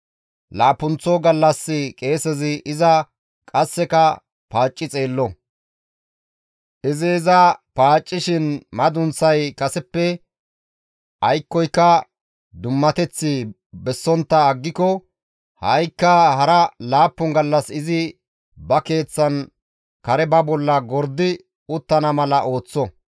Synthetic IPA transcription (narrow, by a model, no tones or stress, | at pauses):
laːpːʊnt͡sːɔɡɐlːɐsːɪkʼe̞ːsɛzɪʔɪzɐ | kʼɐsːɛkɐ | paːt͡ʃʼːɪt͡sʼe̞ːlːɔ | ʔɪzɪːzɐpaːt͡ʃʼːɪʃɪnmɐd̪ʊnsɐjkʼɐsɛpːɛ | ʔɐjkːɔjkːɐ | d̪ʊmːɐt̪ɛt͡sːɪ | bɛsːɔnt̪ːɐːɡːɪkɔ | hɐjkːɐhɐɾɐlaːpːʊŋɡɐlːɐsɪzɪ | bɐke̞ːt͡sːɐn | kɐɾɛbɐbɔlːɐɡɔɾd̪ɪ | ʊt̪ːɐnɐmɐlɐʔo̞ːt͡sːɔ